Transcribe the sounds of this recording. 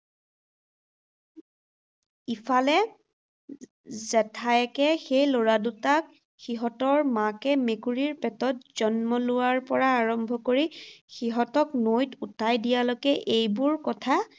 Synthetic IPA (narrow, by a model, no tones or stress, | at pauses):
ipʰalɛ | zɛtʰaɛkɛxejlɔɹadutak | xiɦɔtɔɹmakɛmekuɹiɹpɛtɔtz̥ɔnmɔlʊwaɹpɔɹaːɹɔmbʱɔkoɹixiɦɔtɔknojtutʰajdijalɔkɛʔejbʊɹkɔtʰa